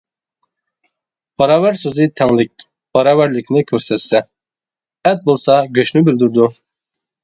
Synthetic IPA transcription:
b̥ɑɾɑːvæɾsøzɪt̪ʰɛŋlɪk̚ʲ | b̥ɑɾɑːvæɾlɪkʲnɪkʲʰøɾsɛt̪sɛ | ɛt̪̚bolˠsɑɡʲøʃnybɪld̪yɾd̪u

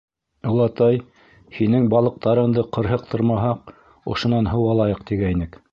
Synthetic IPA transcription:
olˠɑt̪ɑj | hinɘŋbɑlˠɤ̆q̚t̪ɑɾɤ̆md̪ɤqɤ̆ɾɦɤq̚t̪ʰɤ̆ɾmɑɦɑq̚ | ŏ̰ʃŏnɑnɦɤwɑlˠɑjɤqt̪iɡæinɘk

